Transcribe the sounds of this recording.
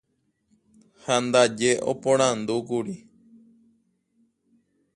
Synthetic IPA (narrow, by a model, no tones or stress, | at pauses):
hand̪ad͡ʒeʔo̰põɾ̃ãnd̪ukuɾi